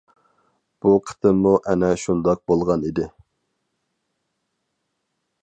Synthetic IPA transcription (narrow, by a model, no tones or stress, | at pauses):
b̥uqʰə̥t̪ʰɨmuʔɛnɛʃund̪ɑq̚bolˠʁɑnid̪ɪ